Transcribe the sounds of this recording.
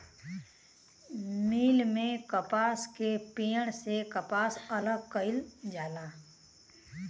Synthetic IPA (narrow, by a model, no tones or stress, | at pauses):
miːlmẽkəpaːskepiːəɽ̃sekəpaːsɐləɡ̚kəɪld͡ʒaːlaː